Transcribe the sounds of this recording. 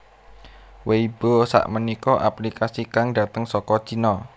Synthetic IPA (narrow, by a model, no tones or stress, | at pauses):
weib̥osa̰ʔmənikɔʔaplikasikaŋdat̪əŋsɔkɔ̥t͡ʃinɔ